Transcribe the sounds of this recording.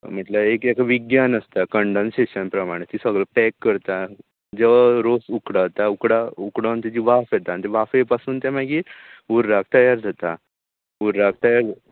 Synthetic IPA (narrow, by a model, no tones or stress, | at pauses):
m̤əʈlaekekaʋiɡjanəst̪akəɳɖənseɕənpɾəmaɽ̃et̪iːsəɡləpɛkːəɾt̪a | d͡ʑeʋaɾosukɽat̪aukɽaukɽənt̪ad͡ʑiːʋafjet̪anit̪eʋafepasuːnt̪ɛ̃maɡiuɾːak̚ʰt̪əjaɾd͡zʱat̪a | uɾɾak̚ʰt̪əjaɾ